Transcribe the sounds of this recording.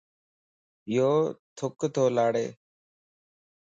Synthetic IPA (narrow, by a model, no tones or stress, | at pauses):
ɪjoːt̪ʰʊkt̪ʰoːlaːɽḛː